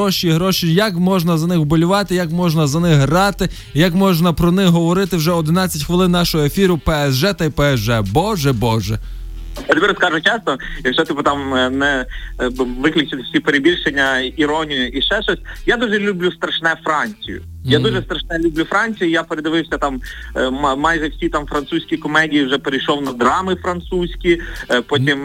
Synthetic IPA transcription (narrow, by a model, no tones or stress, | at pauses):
ɔʃʲiɦɾɔʃʲijɐkmɔʒnɐzɐnɪxbɔlʲʊʋɑt̪ɪjɐkmɔʒnɐzɐnɪxɦrɑt̪ɪ | jɐkmɔʒnɐpɾɔnɪxɦɔʋɔɾɪt̪ɪwʒɛɔd̪ɪnɑt͡sʲːɐtʲxʋɪlˠɪnːnɑʃɔɦɔefʲiɾʊpɛɛzʒɛt̪ɐipɛɛsʒɛbɔʒɛbɔʒɛ | ɐd̪ʲmʲiɾɔskɑʒʊt͡ʃɛsnɔjɐkʃɔt̪ipɐt̪ɑmnɛ | ʋɪklʲɪt͡ʃɪt̪wsʲipeɾebʲilʲʃenʲːɐiɾɔnʲijʊʔiʃt͡ʃɛʃɔsʲjad̪uʒɛlʲublʲust̪ɾɐʃnɛfɾɑnʲt͡sʲijʊ̰ | jad̪uʒɛst̪ɾɐʃnɛlʲublʲufɾɑnʲt͡sʲijijapeɾed̪ɐʋɪwsʲɐt̪ɑm | mɑjʒɛwsʲit̪ɑmfɾɐnt̪susʲkʲikɔmɛdʲijiwʒɛpeɾɪjʃɔwnɐd̪ɾɑmɪfɾɐnt̪susʲkʲipɔtʲim